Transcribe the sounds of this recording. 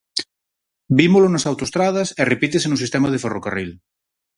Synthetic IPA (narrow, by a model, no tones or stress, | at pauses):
bimolonasawt̪oest̪ɾað̞ɐserepit̪̬esenusist̪emaðeferokaril